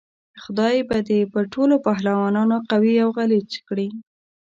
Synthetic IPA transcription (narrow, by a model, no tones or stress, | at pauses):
xʊd̪ɑjbad̪epəʈʰolopɑɦlawɑnɑnoqawiawɣalet͡ʃkɽi